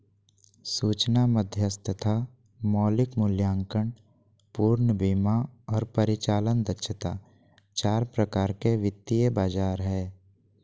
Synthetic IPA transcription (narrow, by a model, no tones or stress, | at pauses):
suːt͡ʃnaməd̪ʱjəst̪ət̪ʰa | mɔːlɪkmʊljãːŋkəɳ | puːɾnəbimaɔːɾpəɾɪt͡ʃaːlənd̪ətːʃʰət̪a̰ː | t͡ʃaːɾpɾəkaːɾkeʋɪt̪ːijəbaːd͡ʒaːɾɦɛː